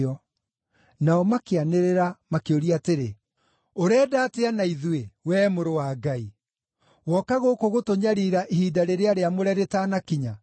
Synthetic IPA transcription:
ɔ | naɔmakeaneɾeɾamakeoɾiateɾe | oɾɛːdaːteanaiðuewɛːmoɾowaːɡai | wɔkaɣokoɣotoɲaɾiɾaʔihiːdaɾeɾeaɾeamoɾɛɾetanakiɲa

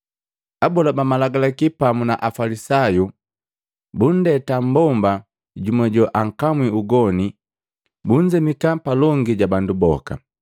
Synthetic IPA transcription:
abɔlabamalaɡalakipamunaʔafalisaju | bun̩dɛtam̩bɔmba | ɟumɔɟɔʔaŋ̩kamwiuɡɔni | buɲd͡ʒɛmikapalɔŋɡiɟabandubɔ̰ka̰

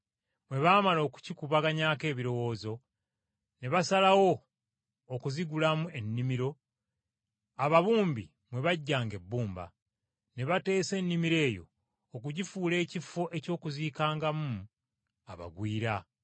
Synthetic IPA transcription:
mwe̞βaːmalo̞ːku̥cikuβaɡaɲaːke̞ːβiɾo̞wo̞ːzo̞ | ne̞βasalawo̞ː | kuziɡulamue̞nːimiɾo̞ | aβaβuːmbi | mwe̞βaɟːaːŋɡe̞bːuːmba̰ | ne̞βate̞ːse̞nːimiɾe̞ːjo̞̰ː | kuɟifuːle̞ːcifːo̞ʔe̞co̞ːkuziːkaːŋɡamu | a̰βa̰ɡwiːɾa

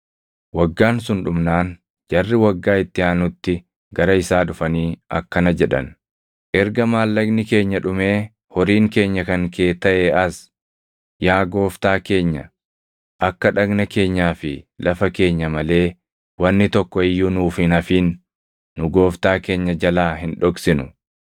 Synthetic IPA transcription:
wɐɡːaːnsʊnᶑʊmnaːn | d͡ʒɐrːɪwɐɡːaːɪt̪ːɪaːnʊt̪ːɪ | ɡɐɾɐɪsaːᶑʊfɐniːʔɐ̰kːɐnɐd͡ʒɛᶑɐ̰n | ʔɛɾɡɐmaːlːɐɡnɪke̞ːɲːɐᶑʊme̞ː | hɔɾiːŋke̞ːɲːɐkɐŋke̞ːt̪ɐʔeɐs | jaːɡo̞ːft̪aːke̞ːɲːɐ̰ | ʔɐkːɐᶑɐɡnɐke̞ːɲːaːfɪlʔɐfɐke̞ːɲːɐmɐle̞ː | wɐnːɪt̪ɔkːɔɪjːʊnuːfɪnɐfiːnː | ʊɡo̞ːft̪aːke̞ːɲːɐd͡ʒɐlaːɦɪnᶑɔksɪnʊ

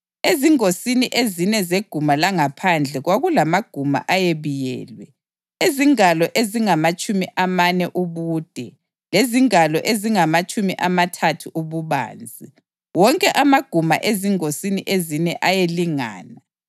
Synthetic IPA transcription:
eziŋosiniʔezinɛzeɡ̥ʱumalaŋapʰand͡ɮʱɛɣwaɣulamaɡ̥ʱuma̰ʔajeβijɛ̰ːlwɛ | eziŋalɔʔeziŋamat͡ʃʼumiʔamanɛʔuβuːd̥ʱɛ | leziŋalɔʔeziŋamat͡ʃʼumiʔamatʰatʰuʔuβuβa̰ːnd͡zʱi | wɔŋkʼɛʔamaɡ̥ʱuma̰ʔeziŋosiniʔezinɛʔajeliŋa̰ːna

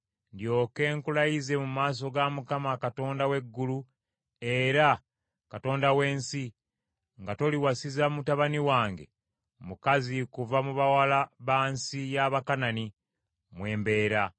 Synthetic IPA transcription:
ndjo̞ːke̞ːŋkulajize̞mumaːs̬o̞ɡamukamakato̞ːndawe̞ɡːulu | e̞ɾa | kato̞ːndawe̞ːnsi | ŋɡato̞liwasizamutaβaniwaːŋɡe̞̰ | mukazikuvamuβawalaβaːnsijaβakanani | mwe̞ːmbe̞ːɾa

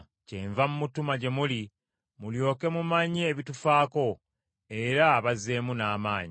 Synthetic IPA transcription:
ceɱvamumutumaɟe̞muli | muljo̞ːke̞mumaɲieβitufaːko̞ | e̞ɾaːβaze̞ːmunaːmaːɲi

